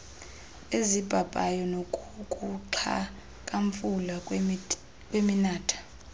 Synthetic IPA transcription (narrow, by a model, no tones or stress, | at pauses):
ezib̥ʱabʼajɔnokʼukʼuǁʰa̰ | kʼaɱfula | kʼweminaːtʰḁ